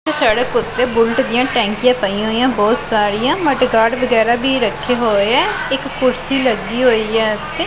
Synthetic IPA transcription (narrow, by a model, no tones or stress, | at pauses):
teːsaːɽeːkʊt̪ːeːbʊlʈd̪ijãːʈɛ̃ːŋkijãːpəiãɦoːijãːbɔːt̪saːɾijãːməʈɡaːɽbəɡɛːɾaːbiːɾəkʰːeːɦoːeɛːɪkːʊɾsiːləɡiːɦoːiːɛːt̪eː